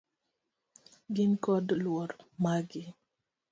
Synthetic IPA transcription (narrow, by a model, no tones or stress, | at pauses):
ɡɪnkɔdlwɔɾmaɡɪ